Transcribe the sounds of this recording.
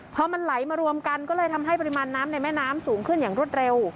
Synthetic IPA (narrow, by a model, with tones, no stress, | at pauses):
pʰɔ˧˥ma˧nla˩˦jmaː˧ɾu˧əmka˧nkɔː˥˩lɤː˧jt̪ʰa˧mɦa˥˩jpa˧ɾi˧maː˧nːaː˦˥mna˧jmɛː˥˩naː˦˥msuː˩˦ŋkʰɯ˥˩njaː˨˩ŋɾu˥˩ət̪̚ɾe˧w